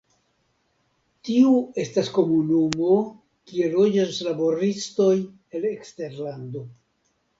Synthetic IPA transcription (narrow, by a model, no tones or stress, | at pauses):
tiue̞stasko̞munumo̞ | kie̞lo̞d͡ʒaslabo̞ɾisto̞j | e̞lekste̞ɾlando̞